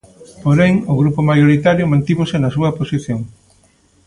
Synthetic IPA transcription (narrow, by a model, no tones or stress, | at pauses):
poɾeŋʊɣɾupʊmajoɾit̪aɾjʊmãnt̪iβosɪnɐsuɐposiθjoŋ